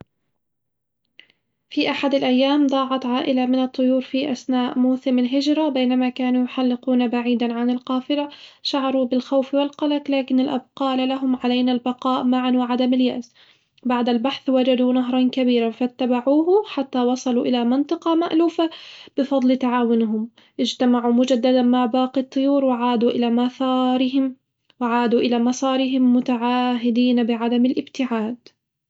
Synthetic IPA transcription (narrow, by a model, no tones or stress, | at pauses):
fiʔaħad̪alʔajːaːmd̪ˤɑːʕɑt̪ˤʕaːʔɪlamɪnɑt̪ˤːʊjuːɾfiʔasnaːʔmuːθɪmalɦɪd͡ʒɾˤabejnamakaːnujʊħalːɪquːnabaʕiːd̪anʕanɪlqɑːfɪlaʃaʕɑɾˤubɪlxawfwɪlqɑlaqlaːkɪnalʔa̰b̚qɑːlalaɦʊmʕalajnalbɑqɑːʔmaʕanwaʕad̪amɪlja̰ʔz | baʕd̪albaħθwad͡ʒad̪unaɦɾˤɑnkabiːɾafat̪ːabaʕuːɦʊħat̪ːawɑsˤɑluʔɪlamɪnt̪ˤɨqɑmaʔluːfab̥ɪfɑd̪ˤlt̪aʕaːwɪnɦʊm | ʔɪd͡ʒt̪amaʕumʊd͡ʒad̪ːad̪anmaʕbaːqit̪ˤːʊjuːɾwɪʕaːd̪uʔɪlamaθɑːɾɪɦɪm | wɪʕaːd̪uʔɪlamɑsˤɑːɾɪɦɪmːʊt̪aʕaːɦɪd̪iːnabɪʕad̪amɪlʔɪbt̪ɪʕaːd̪